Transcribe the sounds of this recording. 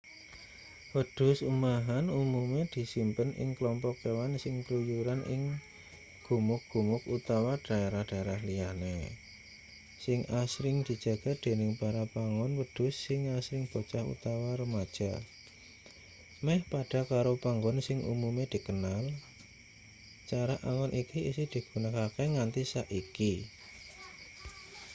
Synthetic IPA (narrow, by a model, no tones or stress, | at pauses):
wəd̥ʊ̤sumaɦanumumed̪̥i̤simpənʔɪ̰ŋkəlɔmpɔkːewansɪŋpəlujuɾanʔɪ̰ŋ | ɡ̥ṳmʊk̚ɡ̥ṳmʊkut̪awaɖ̥a̤eɾahɖ̥aɾahlijane | sɪŋasɾɪŋd̪̥i̤d̥ʒ̥ä̤ɡ̥a̤d̪̥e̤nɪŋpaɾapaŋɔnwəd̥ʊ̤sːɪŋasɾɪŋb̥ɔ̤t͡ʃahṵt̪awaɾəmad̥ʒ̥a̰ | mɛhpaɖ̥a̤kaɾopaŋɡɔnsɪŋʔṵmumed̪̥i̤kənal | t͡ʃaɾaʔaŋɔnʔikiisɪd̪̥i̤ɡ̥ṳnəkakeŋant̪isaʔiki